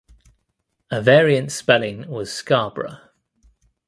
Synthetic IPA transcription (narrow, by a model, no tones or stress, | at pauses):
əvɛːɹiə̃ntspɛlɪ̃ŋwɒz̥skɑːb̥ɹə̰